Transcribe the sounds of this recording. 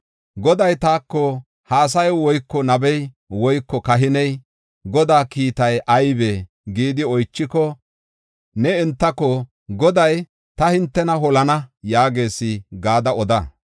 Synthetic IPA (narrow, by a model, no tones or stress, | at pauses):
ɡɔd̪ɐjt̪aːkːɔ | haːs̬ɐjwɔjkːɔnɐbɛj | wɔjkːɔkɐɦɪnɛj | ɡɔd̪aːkiːt̪ɐjʔɐjbe | ɡiːd̪ɪɔjt͡ʃːɪkɔ | nɛɛnt̪ːɐkɔ | ɡɔd̪ɐj | t̪ɐhɪnt̪ːɛnɐɦɔlɐnɐjaːɡe̞ːsɪɡaːd̪ɐɔd̪ɐ